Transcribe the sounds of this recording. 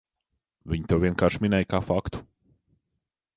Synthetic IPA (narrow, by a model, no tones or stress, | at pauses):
vʲiɲt̪ewviɛnkaːɾʃminɛjkaːfakt̪u̥